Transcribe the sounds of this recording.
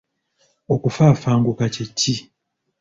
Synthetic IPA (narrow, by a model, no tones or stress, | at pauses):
okufaːfaːŋɡukacetːi